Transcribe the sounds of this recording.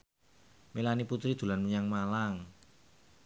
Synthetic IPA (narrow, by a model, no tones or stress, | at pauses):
milaniput̪ɾid̪̥ṳlanmuɲaŋmalaŋ